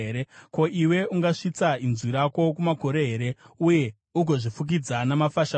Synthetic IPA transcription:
ɾeko̞ʔiwe̞uŋɡaʂit͡sainziɾako̞k̬umako̞ɾe̞ɦe̞ɾe̞uje̞ | uɡʱo̞ʐifuk̬id͡zanamafaʃa

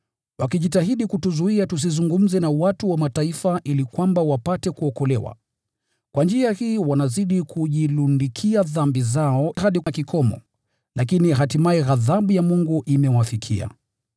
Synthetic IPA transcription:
wakiʄitaɦiɗikutuzuiatus̬izuŋɡum̩zɛnawatuwamataifaʔilikwambawapatɛkuɔkɔlɛwa̰ | kwʔand͡ʒiahiːwanaziɗikʰuʄilundikʰiaðambizaɔhaɗikikʰɔmɔ̰ | lakiniɦatimaɛɣaðaɓujamuŋɡuʔimɛwafikʰḭa̰

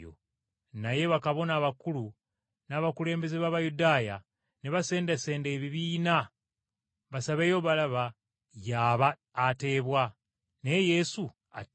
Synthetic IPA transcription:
o̰ | naje̞βakaβo̞naːβakulu | naːβakule̞ːmbe̞zeβaːβajudaːja | neβase̞ːndese̞ːndeːβiβiːna | βasaβe̞ːjo̞βalaβa | jaːβaː | te̞ːβwa | neje̞su | a̰

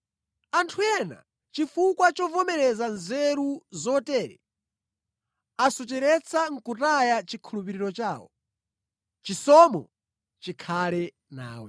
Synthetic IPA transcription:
antʰuɛna̰ | t͡ʃifukwat͡ʃɔvɔmɛɾɛzanzɛɾuzɔtɛːɾɛ̰ | asɔt͡ʃɛɾɛt͡sʰaŋ̩kutajat͡ʃikʰulupiɾiɾɔt͡ʃaːwɔ̰ | t͡ʃisɔmɔ̰ | t͡ʃikʰalɛ | na̰ːwɛ̰

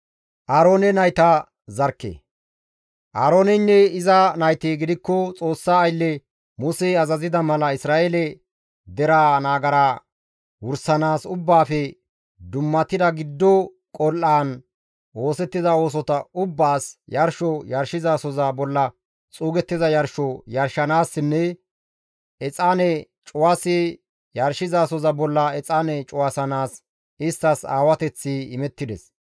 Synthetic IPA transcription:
ʔaːɾoːnɛnɐjt̪a | zɐɾkːḛ | ʔaːɾoːnɛnːɛɪzɐnɐjt̪eːɡɪd̪ɪkːɔt͡sʼo̞ːsːaːjlːɛ | mʊseɐzɐzɪd̪ɐmɐlɐɪsɾaːʔelɛ | d̪ɛɾaːnaːɡɐɾaː | wʊɾsɐnaːsʊbːaːfɛ | d̪ʊmːɐt̪ɪd̪ɐɡɪd̪ːɔ | kʼɔlʔaːn | wo̞ːsɛt̪ːɪzɐo̞ːs̬ɔt̪ɐʊbːaːsjɐɾʃɔjɐɾʃɪzaːsɔzɐbɔlːɐ | t͡sʼuːɡɛt̪ːɪzɐjɐɾʃɔjɐɾʃːɐnaːsːɪnːɛ | ɛt͡sʼaːnɛ | t͡ʃʼʊwase | jɐɾʃɪzaːsɔzɐbɔlːɐɛt͡sʼaːnɛt͡ʃʼʊwasɐnaːs | ɪst̪ːɐsaːwɐt̪ɛt͡sːiɪmɛt̪ːɪd̪ɛs

